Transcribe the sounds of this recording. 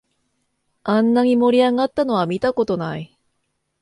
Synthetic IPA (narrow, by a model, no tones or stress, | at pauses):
ãnːaɲ̟imo̞ɾʲiaɡat̪ːano̞βamʲit̪ako̞t̪o̞nai